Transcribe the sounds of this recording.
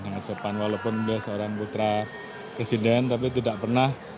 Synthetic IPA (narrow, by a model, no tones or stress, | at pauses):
aŋasəpanwalopʊnbliahsəoɾaŋput̪ɾa | pɾesidɛnt̪apit̪idaʔpərnah